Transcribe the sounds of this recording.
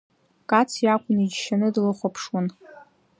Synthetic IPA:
kʼat͡sʰjakʷʼʊnid͡ʒʃanɨdlɨχʷapʰʂwan

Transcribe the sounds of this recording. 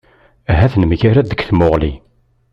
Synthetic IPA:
æɦæθnəmʝaɾæd̪əɡθmoʁli

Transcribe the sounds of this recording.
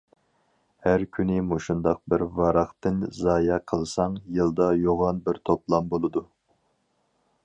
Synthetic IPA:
hæɾkʲʰynɪmoʃund̪ɑq̚bɪɾvɑɾɑχt̪ɨnzɑːjɑqʰəlˠsɑŋjɨlˠd̪ɑjoʁɑnbɪɾt̪ʰoplˠɑmbolˠɨd̪u

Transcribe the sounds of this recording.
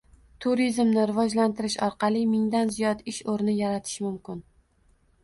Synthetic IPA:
t̪ʰuɾizmnɪɾɪvɒd͡ʒlant̪ʰɪɾɪʃɒɾqɑlˠɪmɪŋd̪anzijɒt̪ɪʃoɾnɪjaɾat̪ʰɪ̥ʃmʊmkʲɪn

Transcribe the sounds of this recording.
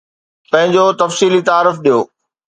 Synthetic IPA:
pɐ̃ɦɪ̃ɲd͡ʑot̪ɐfsiːlit̪aːɾəfɗijoː

